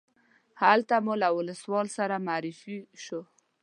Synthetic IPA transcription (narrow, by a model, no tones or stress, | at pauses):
halt̪amulawʊləswɑlsaɾamaːɾɪfiʃo